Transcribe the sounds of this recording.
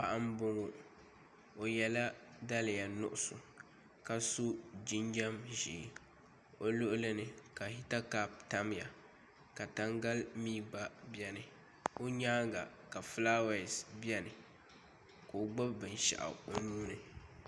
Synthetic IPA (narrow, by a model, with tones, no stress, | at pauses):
pa˦ʔa˦mbʊ˦ŋo˨ | o˨jɛ˨la˦da˦lɪ˨ja˨nʊ̰˨ʔʊ˦sʊ˨ | ka˨su˦d͡ʒi˦nd͡ʒa˦mʒi˨˦ | o˦lo˦ʔʊ˦lɨ˦nɨ˨ka˨hi˦ta˦ka˦p̚ta˦m˦ja˨ | ka˨ta˦ŋɡa˦lmiː˦ɡ͡ba˦bjɛ˦nɨ˨ | o˦ɲaː˦ɡa˨ | ka˨flaː˦wa˨sbjɛ˦nɨ˨ | ko˨ɡ͡ba˦bbɨ˨n˨ʃa̰˨ʔa̰˨o˨nuː˦nɨ˨